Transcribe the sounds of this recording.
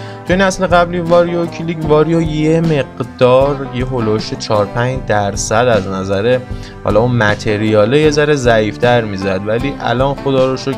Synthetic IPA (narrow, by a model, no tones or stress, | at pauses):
t̪ʰuinæsle̞ɣæbliːvɒːɾijocʰilicvɒːɾijojeme̞ɡd̪ɒːɾjeɦo̞loʃet͡ʃʰɒːɾpʰænd͡ʒd̪æɾsæd̪æznæzæɾe | hɒ̰ːlɒunmæt̪ʰe̞ɾijɒːleje̞zæɾe̞zæiːft̪ʰæɾmiːzæd̪væliːʔæ̰lɒːnxo̞d̪ɒːɾoʃo